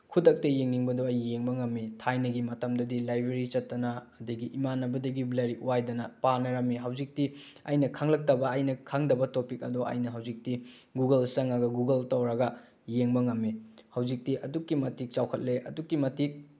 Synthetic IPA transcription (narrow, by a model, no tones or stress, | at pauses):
kʰudɐk̚tɐjeŋniŋbɐdoɐjːeŋbɐŋɐmːitʰajnɐɡimɐtɐmdɐdilajbɾeɾit͡ʃɐtːɐnɐːdɐɡiʔimanːɐbɐdɐɡiblɐɾiuwajdɐnɐpanɐɾɐmːiɦɐwd͡ʒik̚tiɐ̰jnɐkʰaŋlɐk̚tɐbɐːjnɐkʰaŋdɐbɐtopikɐ̰doʔɐ̰jnɐɦɐwzik̚ti | ɡuɡɐlsɐŋɐɡɐɡuɡɐltɐwɾɐɡɐ | jeŋbɐŋɐmːihɐwd͡ʒik̚tiʔɐdukːimɐtik̚t͡ʃawkʰɐt̚leʔɐ̰dukːimɐtik̚